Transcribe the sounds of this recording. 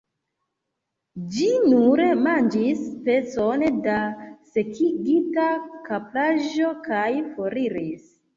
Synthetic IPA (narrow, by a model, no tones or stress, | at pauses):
d͡ʒinuɾemand͡ʒispe̞sondase̞kʰiɡitakaplaʒo̞kʰajfoɾiɾis